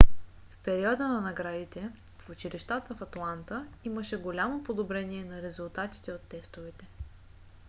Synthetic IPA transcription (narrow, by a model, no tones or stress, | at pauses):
fpɛɾiɔd̪ənɐnɐɡɾad̪it̪ɛ | fʊt͡ʃiɾiʃt̪at̪əfɐt̪lˠant̪əiməʃɛɡolʲamopod̪obɾɛniɛnɐɾɛzʊlˠt̪at̪i̥t̪ɛot̪ːɛst̪ovɛt̪ɛ